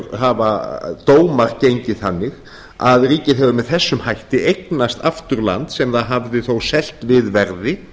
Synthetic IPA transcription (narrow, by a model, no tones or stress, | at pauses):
ɦavat̪oːwmaɾ̥cejɲcɪðθanːɪɣ | a̰ðriːcɪðɦɛvʏmɛðθɛsːʏmhajht̪ɪejknast̪aft̪ʏɾla̰nt̪sɛmθaðɦavðɪθowsɛl̥t̪vɪðvɛɾðɪ